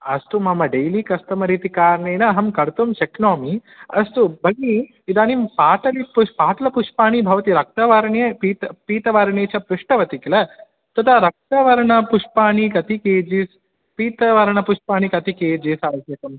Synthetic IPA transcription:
ɐst̪umɐmɐɖejlikɐst̪ɐmɐɾiːt̪ikaːɾɐɳeːnɐɐɦɐmkɐɾt̪umʃɐknoːmi | ɐst̪ubʱɐɡi | id̪aːnimpaːʈɐlipuʃpaːʈɐlɐpuʂpaːɳibʱɐʋɐt̪iɾɐk̚t̪ɐʋɐɾɐɳjɐpiːt̪ɐpiːt̪ɐʋɐɾɐɳeːt͡ʃʰɐpɾɪʂʈɐʋɐt̪ikilɐ | t̪ɐt̪ʰɐɾɐk̚t̪ɐʋɐɾɐɳɐpuʂpaːɳikɐt̪ikeːd͡ʒis | piːt̪ɐʋɐɾɐɳɐpuʂpaːɳikɐt̪ikeːd͡ʒiːsaːsɐkɐm

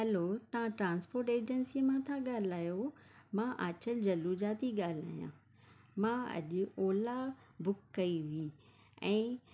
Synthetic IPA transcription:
ɐlot̪ɐʋ̤ãʈɾãːnspoːɾʈeːd͡ʑənsimãt̪ʰãɠaːl̤aːjomãʔaːt͡ɕəld͡ʑɐluːd͡ʑaːt̪iɠaːl̤a̰ːjã̰ | mãːɐ̰ʄʊoːlabʊkːɐiʋi | ɛ̃ː

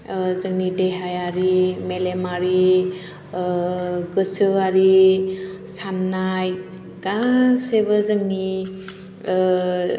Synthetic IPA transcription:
zəŋnideɦajaɾimelemaɾi | ɡɯsɯaɾi | sanːaj | ɡasebəzɯŋni

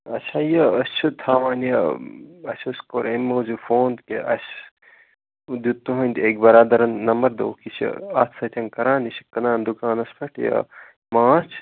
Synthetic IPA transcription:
ɐt͡ʃʰajɐəst͡ʃʰut̪ʰaːʋaːnjɐɐsʲuskoɾemːoːzufoːnt̪keʔɐ̰s | d̪ut̪ːuɦɐnʲd̪eːk̚bɐɾaːd̪ɐɾɐnːɐmɐɾd̪o̰ːkisʰḭɐt̪ʰsɐt̪ʰʲɐnkɐɾãːnisi̥kɐnãːnd̪ukaːnɐspʰɐʈʰjɐ̰ | maːt͡ʃʰ

